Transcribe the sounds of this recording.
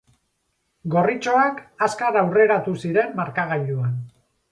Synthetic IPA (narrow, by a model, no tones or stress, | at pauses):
ɡo̞rit͡ʃo̞akaskaɾawre̞ɾat̪usiɾe̞mːaɾkaɣ̞aʎuan